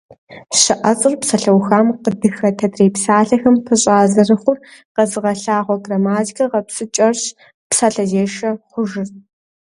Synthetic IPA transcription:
ɕɨʔɐt͡sʼɨrpsɐɬɐwxaːmqədɨxɐtʰɐdreːpsaːɬɐxɐmpʰɨɕʼaːzɐrɨχʷʊrqɐzɨʁɐɬaːʁʷɔɡrɐmaːtkʰɐʁɐpsɨt͡ʃʼɐrɕ | psaːɬɐzeːʃɐχʷʊʒɪr

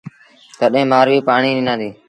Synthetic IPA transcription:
t̪əɗɦẽːmaːɾʋiːpaːɳiːnɪːnãːd̪iː

